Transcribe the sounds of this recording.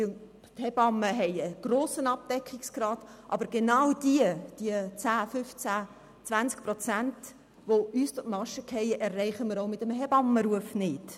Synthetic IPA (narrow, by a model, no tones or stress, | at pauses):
thɛbɑmːəɦɛɪəɡ̥roːsənɑp̚d̥ɛkχiksɡ̥rɑːdʔɑ̰bəɾɡenɑwd̥iəd̥iət͡sæːfʏft͡sæ | t͡sʋvænskprot͡sænt | ʋoyːstʊtmɑʃəkʰhɛɪɛrːɛɪχəməɾoʊmɪtəmɦɛbɑmːəɾuəfnɪt